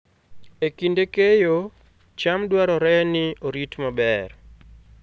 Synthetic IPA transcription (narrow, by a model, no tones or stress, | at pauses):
ekindekejo | t͡ʃamdwaɾɔɾɛnɪoɾitmabɛr